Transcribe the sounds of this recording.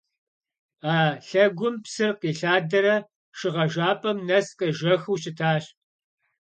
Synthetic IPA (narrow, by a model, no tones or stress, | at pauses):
aːɬɐɡʷʊmpsɨrqiːɬaːdɐɾɐ | ʂɨʁɐʒaːpʼɐmnɐsqʼiʒɐxuwɕɪtʰaːɕ